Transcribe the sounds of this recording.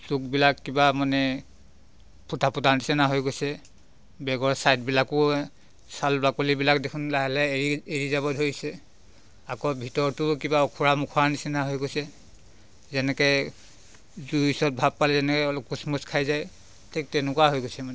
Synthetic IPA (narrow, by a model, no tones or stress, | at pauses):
suk̚bilakːibamanɛ | pʰutʰapɔdantisɛnaɦojɡosɛ | bɛɡɔɹsajt̚bilakʊ | salbakolibilakdekʰunlaɦɛlɛieɹizabɔdʱoɹisɛ | akɔbʱitɔɹtʊkibaɔkʰuɹamukʰɔantisɛnaɦojɡosɛ | zɛnɛkɛ | zuisɔt̚bʱab̚palɛzɛnɛkɛlkːusmɔskʰajzaj | tʰek̚tɛnʊkwaɦojɡojsɛmanɛ